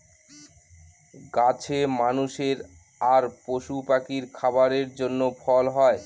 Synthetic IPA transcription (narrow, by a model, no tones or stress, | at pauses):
ɡat͡ɕʰemanuʃeɾ | aɾpoʃupakiɾkʰabaɾeɾd͡ʑonːofʰɔlɦɔe